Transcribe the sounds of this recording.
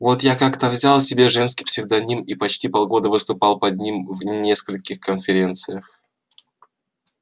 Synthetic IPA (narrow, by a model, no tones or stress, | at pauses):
vo̞t̪jakakt̪əvzʲalˠsʲɪbʲeʐɛnskʲi̥psʲɪɣd̪ɐnʲimipɐt͡ɕtʲipɐlˠɡo̞d̪əvɨst̪ʊpɑlˠpɐd̪̚ʲnʲimvnʲe̞skəlʲkʲɪxkənfʲɪɾʲe̞nt̪sɨjəx